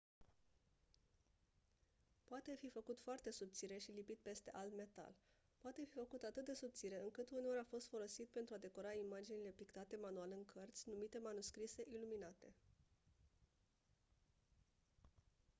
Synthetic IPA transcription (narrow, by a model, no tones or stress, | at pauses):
poat̪e̞fifəkut̪foart̪e̞sub̚t̪siɾe̞ʃilipit̪̚pe̞st̪e̞ʔald̪me̞t̪a̰l | poat̪e̞fifəkut̪at̪ɨt̪̚d̪e̞sub̚t̪siɾe̞ɨŋkɨt̪une̞o̞ɾʲafo̞st̪fo̞lo̞sit̪̚pe̞nt̪ɾuad̪e̞ko̞ɾaimad͡ʒinile̞pikt̪at̪e̞manualeɨŋkʰərt̪sʲnumit̪e̞manuskɾise̞ʔiluminat̪e̞